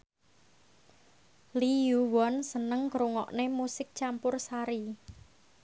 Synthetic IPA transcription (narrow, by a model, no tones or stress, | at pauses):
lijuwɔnsənəŋɡɾuŋɔ̰ʔnemusɪk̚t͡ʃampʊrsaɾi